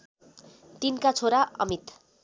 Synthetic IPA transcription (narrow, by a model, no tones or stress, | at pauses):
t̪inkat͡sʰoɾaʌ̰mit̪